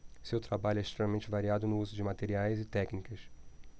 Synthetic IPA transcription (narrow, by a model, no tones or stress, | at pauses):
sewt̪ɾabaʎʊɛɪiʃt̪ɾemɐmẽnt͡ʃɪvaɾiad̪ʊnʊuzʊd͡ʒɪmat̪eɾiajzɪt̪ɛknikɐs